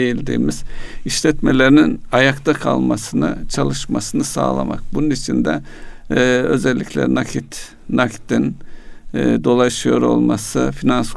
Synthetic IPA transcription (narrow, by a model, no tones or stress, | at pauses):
ejilʲd̪ḭːmiz̥iʃlʲɛt̪me̞lʲeɾininajakt̪akʰa̰lˠmasɯnɯ̰t͡ʃʰalˠɯʃmasɯnɯsa̰ːlˠa̰ma̰k̚bununit͡ʃʰind̪ɛ̰ | ø̞zɛlʲːicʰʲlʲɛ̰nakʰit̪ | nakt̪in | d̪o̞lˠaʃɯjo̞ɾo̞̰lˠmasɯfinans